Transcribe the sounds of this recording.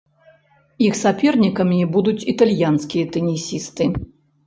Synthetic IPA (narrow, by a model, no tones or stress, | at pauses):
ixsapʲɛrnʲikɐmʲibud̪ut͡sʲit̪alʲjanskʲijɐt̪ɛnʲisʲist̪ɨ